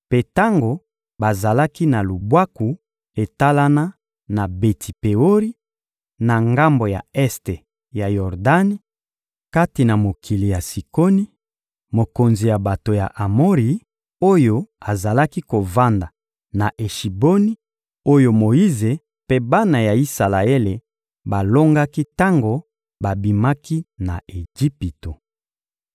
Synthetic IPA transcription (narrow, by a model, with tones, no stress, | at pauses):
pe˦ta˦ŋɡo˨ | ba˨za˨la˦ki˦na˨lu˨bwa˦ku˨ | e˨ta˦la˦na˦ | na˨be˨tʰi˨pe˨o˦ʁi˦ | na˨ŋɡa˦mbo˨ja̰˨ɛ˦ste˨ | ja˨jɔ˨ʁda˦ni˦ | ka˦ti˨na˨mo˨kʰi˨li˨ja˨si˨ko˦ni˦ | mo˨ko˨nzi˨ja˨ba˨to˨ja̰˨ʔa˨mo˦ʁi˨ | o˦jo˦a˨za˨la˦ki˦ko˨va˦nda˨ | na˨ʔe˨ʃi˨bo˦ni˦ | o˦jo˨mo˨i˦ze˨ | pe˦ba˦na˨ja˨i˦sa˨la˨e˦le˨ | ba˨lo˦ŋɡa˦ki˦ta˦ŋɡo˨ | ba˨bi˨ma˦ki˦na˨e˨d͡ʒi˦pi˨to˨